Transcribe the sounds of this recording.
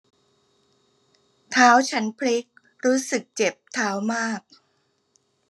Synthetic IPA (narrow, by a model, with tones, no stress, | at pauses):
t̪ʰaː˦˥wt͡ɕʰa˦˥npʰɾi˦˥k̚ | ɾuː˦˥sɯ˨˩k̚t͡ɕe˨˩p̚t̪ʰaː˦˥wmaː˥˩k̚